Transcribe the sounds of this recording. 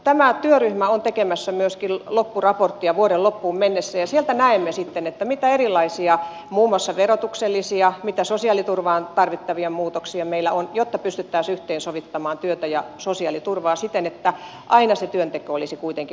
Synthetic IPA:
t̪æmæt̪yøryhmæont̪ekemæsːæmyøskillopːurɑport̪ːiɑʋuoɾelopːuːmmenːesːæjɑsielt̪ænæemːesit̪ːenet̪ːæmit̪æerilːˑɑisiɑ | muːmːˑɑsːɑʋerot̪ukselːisiɑmit̪æsosiɑːˑlit̪urʋɑːnt̪ɑrʋit̪ːɑʋiemmuːt̪oksiɑmeilːˑæ̰onjot̪ːɑpyst̪yt̪ːæːsyht̪einsoʋit̪ːɑmɑːnt̪yøt̪æjɑ̰sosiɑlit̪urʋɑːsit̪ːenet̪ːæ | ʔɑinɑset̪yønt̪ekøolisikuit̪eŋki

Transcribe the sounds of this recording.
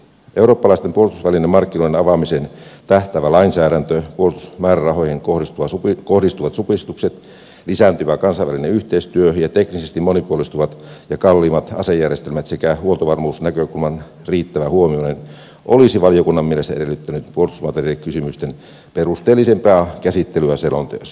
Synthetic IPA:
ʔeuro̞ːpːɑlɑˑist̪empuolt̪usʋælinːemːɑrkːinoidenɑʋɑmisent̪æht̪æʋælɑinsæːɾænt̪øpuolst̪usmæːrærɑɦojheŋkoist̪uʋɑukohdist̪uʋɑt̪supist̪ukset̪ | lisænt̪yʋækɑnsɑiʋælineyht̪eist̪yøjɑt̪eknisest̪imonipuolist̪uʋɑt̪jɑkɑlːiːmɑt̪ɑ̰sejːærjest̪elmæt̪sekæhuolt̪oʋɑrmuːsnækøkulmɑn | riːt̪ːæʋæhuomionen | ʔolisiʋɑlijokunːɑmːielest̪æeɾelːˑyt̪ːænyt̪puolist̪usmɑt̪eriekysymyst̪en | perust̪eːlːisempæːkæsit̪ːelyæselont̪ø̰ːs

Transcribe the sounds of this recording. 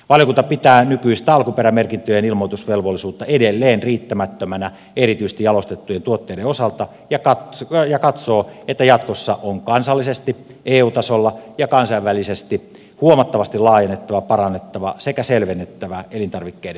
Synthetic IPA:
ʋɑljokunt̪ɑpit̪æːnykyist̪æɑlkuperæmerkint̪øjenilmoˑt̪usʋelʋolːisuːt̪ːɑedelːeːnriːt̪ːæmæt̪ːømænæ | erit̪yisest̪ijɑlost̪et̪ːujent̪uot̪ːeideosɑlt̪ɑ | jɑkɑtjɑkɑt̪soːet̪ːæjɑt̪kosːɑʔoŋkɑnsɑlːisest̪i | ʔeːuːt̪ɑsolːɑjɑkɑnsɑiʋʋælisest̪i | huomɑt̪ːɑʋɑst̪ilɑːjenːet̪ːɑʋɑpɑrɑnːet̪ːɑʋɑsekæselʋenːet̪ːæʋæelint̪ɑrʋikːeːde

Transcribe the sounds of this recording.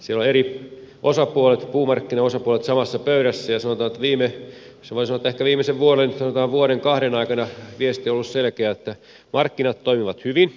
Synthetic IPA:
sieloeɾi | ʔosɑpuolet̪puːmɑrkːinɑosɑpuolet̪sɑmɑsːɑpøyɾæsːæjɑsɑnot̪ɑːnet̪ːæʋiːme | sɑʋoˑisɑoet̪ːæekæʋiːmːˑeseʋʋuolensɑnot̪ɑːʋʋuoɾeŋkɑhɾenɑikɑnɑʋiest̪ieolːusselkeæet̪ːæ | mɑrkːinɑt̪toimiʋɑt̪hyʋin

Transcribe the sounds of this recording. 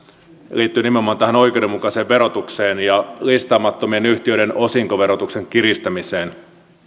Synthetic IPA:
liːt̪ːyːnimenomːˑɑːnt̪æhæno̞ijkewdemːukɑseːʋʋe̞ɾo̞t̪ukseːnjɑlist̪ɑːmɑt̪ːomienyht̪iøɾenosiŋkoʋe̞ɾot̪ukse̞ŋkiɾist̪æmiseːn

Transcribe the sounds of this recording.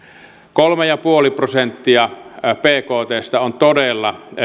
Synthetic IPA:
kolmejɑpuoliprosent̪ːiɑpeːkoːt̪eːst̪ɑont̪odelːɑ

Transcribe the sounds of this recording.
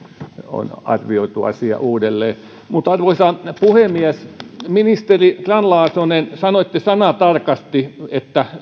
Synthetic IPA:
o̰nɑ̰rʋioit̪uɑ̰siɑ̰ʔuːdelːeː | mut̪ɑrʋoisɑpuhemiæsminist̪erikrɑnlɑːsonensɑnoet̪ːesɑnɑt̪ɑrkɑst̪iet̪ːæ

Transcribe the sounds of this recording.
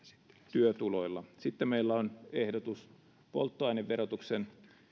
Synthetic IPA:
t̪yøt̪ulo̞ilːɑsit̪ːemeilːæonehdot̪us | po̰lt̪ːoɑineʋːeɾot̪uksen

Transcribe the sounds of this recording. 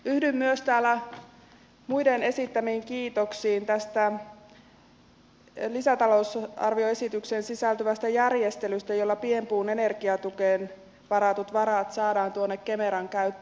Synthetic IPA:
yhdymːyøst̪æːlːæ | mujdene̞sit̪ːæmiːŋkiːt̪o̞ksiːnt̪æst̪æ | lisæt̪ɑlo̞usɑ̰rʋio̞e̞sit̪yksensisælt̪yʋæst̪æjærje̞st̪e̞lyst̪æjolːɑpiempuːnene̞rɡiɑt̪ukeːn | ʋɑɾɑt̪ut̪ʋɑɾɑt̪sɑːdɑːnt̪uonːekkemeɾɑŋkæyt̪ːe

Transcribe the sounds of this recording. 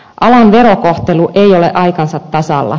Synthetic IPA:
ʔɑlɑnʋe̞ɾokoht̪eluʔeioleʔɑikɑnsɑt̪ːɑsɑ̰lːɑ̰

